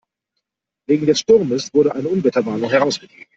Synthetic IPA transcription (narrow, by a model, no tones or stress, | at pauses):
v̥eːɡŋ̩dɛsʃtʊɐməsv̥ʊɐɾəʔaɪnəʔʊnvɛtɐvaːnʊŋhɛʁaʊsɡ̥əɡeːɡ̩